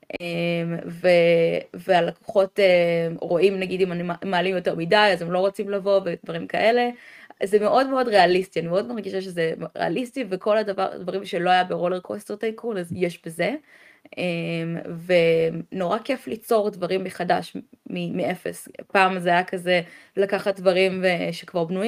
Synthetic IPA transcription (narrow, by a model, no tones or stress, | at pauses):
ʔemvevealako̥χo̞teʁo̞ʔimnaɡidimanmaːlimjo̞te̞ʁmidajazemlo̞ʁo̞t͡simlavo̞vedvaʁimkaʔe̞le̞zemeʔo̞dmeo̞dʁe̞alistianimeo̞dmaʁɡiʃaʃezemʁḛa̰listiveko̞ladava̰ʁdvaʁimʃelo̞ajabeʁoleʁkosteʁtajkunazjeʃbeze̞ | ʔemvemno̞ʁake̞flit͡so̞ʁdvaʁimːeχadaʃmimeʔefḛspaːmzeajakazelakaχat̚dvaʁimeʃekvaʁbnuji